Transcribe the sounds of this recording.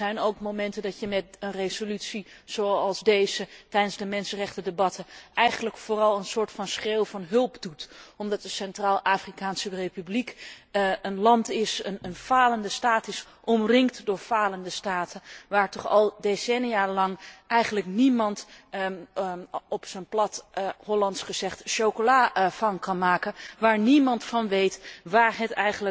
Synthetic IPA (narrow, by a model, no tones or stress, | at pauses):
ɛjnowkmomɛntəndɑtjəmɛtənrezolytsi | z̥oɑlˠzdejzətɛjdənzdəmɛnsənrɛχtədebɑtəʔɛjχənləkfʊːrɑlˠənsʊːɹtfɑnsχeːwvɑnɦɵlˠpdutɔmdɑt̚dəsɛntraːlˠʔaːfrikaːnsərejpyblik | ənlɑntɪsənənv̥aːləndəstaːtɪs | ʔɔmrɪŋktdʊːɹv̥aːləndəstaːtəʋaːɹtɔχɑ̰lˠdesɛnijalɑŋʔɛjχənləknimɑnt | ɔpsənplɑtɦɔlɑntsχəz̥ɛχtʃowkolaːv̥ɑnkɑnmaːkənʋaːɹnimɑntfɑnʋejtʋaːɹɦətɛjχənlə